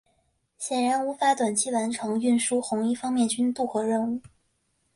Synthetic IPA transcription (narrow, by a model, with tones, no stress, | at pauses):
ɕjɛ˨˩nɻa˧˥nu˧˥fa˧˥t̪wa˨˩nt͡ɕʰi˥wa˧˥nʈ͡ʂʰɤ˧˥ŋy˥˩nʂu˥xʊ˧˥ŋi˥fɑ˥ŋmjɛ˥˩nt͡ɕy˥nt̪u˥˩xɤ˧˥ɻə˥˧nu˥˩